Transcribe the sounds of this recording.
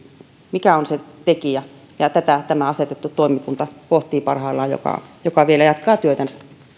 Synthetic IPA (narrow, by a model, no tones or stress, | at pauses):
mikæonset̪ekiæ | jɑt̪æt̪æt̪æmæɑset̪et̪ːut̪oˑimːˑikunt̪ɑkoht̪ˑiːpɑrhɑːlːˑɑːjjo̰kɑ̰jokɑʋielæjɑt̪kɑːt̪yøt̪ænsæ̥